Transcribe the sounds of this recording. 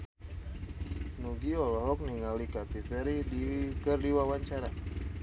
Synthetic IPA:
nuɡiɔlɔɦɔk̚niŋalikat̪ifɛɾidikərdiwawaɲt͡ʃaɾa

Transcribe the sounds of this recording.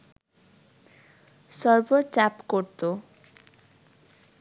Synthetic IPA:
sɔɾboɾt͡ɕapkoɾt̪o

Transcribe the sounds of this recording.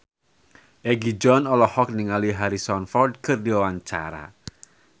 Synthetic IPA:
ʔeɡid͡ʒɔnɔlɔhɔk̚niŋaliɦaɾisɔnfɔrd̪̚kɨrdiwawaɲt͡ʃa̰ɾa̰

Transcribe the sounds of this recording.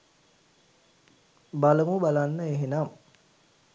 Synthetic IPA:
baləmubalanːəeɦenam

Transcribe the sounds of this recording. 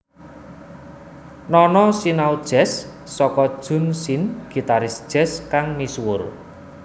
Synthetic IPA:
nɔnɔsinawd̥ʒ̥ɛsː | ɔkɔd̥ʒ̥ʊ̤nsinɡ̥i̤t̪aɾɪsd̥ʒ̥ɛ̤skaŋmiswʊr

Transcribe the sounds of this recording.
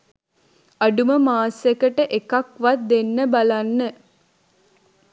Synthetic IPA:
aɖuməmaːsekəʈəʔekakʋat̪̚d̪enːəbalanːə

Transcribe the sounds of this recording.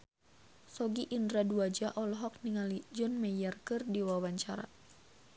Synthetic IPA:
sɔɡiʔindɾaduad͡ʒaʔɔlɔɦɔk̚niŋalid͡ʒɔnmɛjɛrkɨrdiwawaɲt͡ʃaɾa̰

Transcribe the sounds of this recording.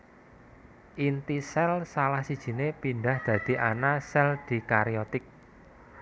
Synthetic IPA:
ʔint̪isɛlsalahsid̥ʒ̥i̤nepinɖahd̪̥ä̤d̪̥i̤ʔanasɛld̪̥i̤kaɾiɔt̪ɪk̚

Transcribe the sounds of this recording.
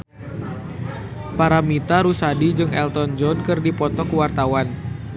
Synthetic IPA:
paɾamit̪aɾusadid͡ʒɨŋɛlt̪ɔnd͡ʒɔnkɨrdipɔt̪ɔkuwart̪awan

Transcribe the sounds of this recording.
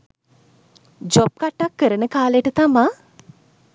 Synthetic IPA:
d͡ʒop̚kaʈːakːəɾənəkaːlejəʈət̪ama

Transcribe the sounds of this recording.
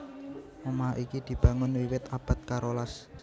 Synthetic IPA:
momaʔikid̪̥i̤b̥ä̤ŋʊnwiwɪt̪ab̥a̤t̪̚kaɾolas

